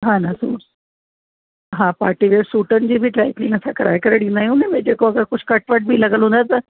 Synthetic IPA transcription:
ɦãnasu | ɦãpaʈiʋeɽsuʈənd͡ʑiːbʱiːʈɾajplinəsakɾa̰jkəɾəɽinaiũnẽmed͡ʑekʋəɡəɾkut͡ɕʰkəʈʋaʈ̚bʱiːləɡəlɦõnd̪at̪ə

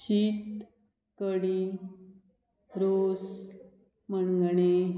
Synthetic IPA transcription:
ɕit̪ | kəɽi | ɾos | mənɡɳe

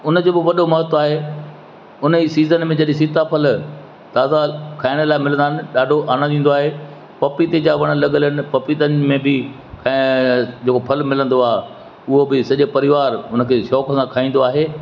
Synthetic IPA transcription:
ʊnd͡ʑoːbɪʋɐɗomɐɦət̪aːɦe | ʊnəisiːzənmẽd͡ʑɐɗĩs̬it̪apʰɐl | t̪aːzakʰaːɪɽ̃əlaːɪmɪlə̃nd̪aːɦnɪ̆ɗaːɖʱoʔaːɽ̃d̪ĩːn̆d̪oaːɦe | pɐpit̪ed͡ʑaːʋɐɽ̃̆lɐɠələnɪ̆pɐpit̪ənɪmẽbɪ | kʰad͡ʑeːkopʰɐlmɪlə̃nd̪oaː | ʊɦobɪsɐʄepɐɾɪʋaːɾʊnəkʰeːʃɔːkəsãkʰaːĩːn̆d̪oaːɦeː

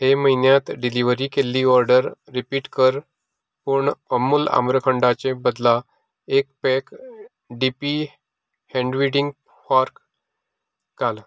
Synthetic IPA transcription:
ɦeməinjat̪ɖiliʋəɾiːkelːiɔɾɖəɾːipiːʈkəɾ | puɳəmːula̰mɾəkʰəɳɖat͡ɕẽbəd̪la | ek̚pɛk | ɖipi | hɛ̃ɳɖʋiɽiŋɡ | faɾk | ɡal

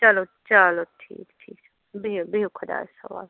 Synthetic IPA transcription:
t͡ʃɐlot͡ʃɐloʈʰḭːkʈʰiːksɛ | bibikʰʊd̪a̰ːɛsɐʋa̰ːl

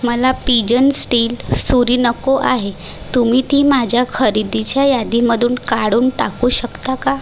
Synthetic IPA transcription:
məlapid͡ʑənsʈiːlsuɾinəkoʔaɦe | t̪um̤iːt̪iːmad͡ʑʱjakʰəɾid̪it͡ɕjajad̪iməd̪ʱuːnkaɽuːnʈakuːɕəkt̪aka

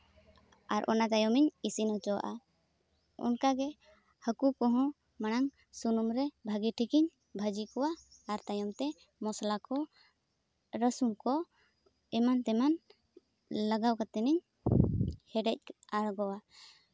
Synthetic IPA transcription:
aɾʔɔ̰nat̪ajɔmiɲisinɔt͡ʃɔwa̰ʔa | ɔ̰nkaɡɛ | həkukɔɦɔ̃ | maɽ̃aŋ | sunumɾɛbʱaɡiʈʰikiɲ | bʱəd͡ʒikɔwaːɾt̪ajɔmt̪ɛ | mɔslakɔ | ɾəsumkɔ | ɛmant̪ɛman | ləɡawkat̪ɛniɲ | hɛɖɛc̚aɽɡɔwa

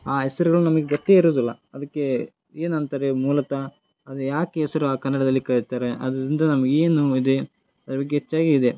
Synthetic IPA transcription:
aːɦɛsɐɾuɡɐɭunɐmɐɡeɡot̪ːeiɾoːd̪ilːɐ̰ | ɐd̪ɐkːe̞ | eːnɐnt̪aːɾemuːlɐkɐ | ɐd̪ujaːkeɛsɐɾuaːkɐnːɐɽɐd̪ɐlːikɐɭit̪aːɾeʔɐd̪ɐɾind̪ɐnɐmɐɡeeːnuid̪e | ɐd̪ɾɐbɐɡːeɦet͡ʃːaːɡiːd̪e̞

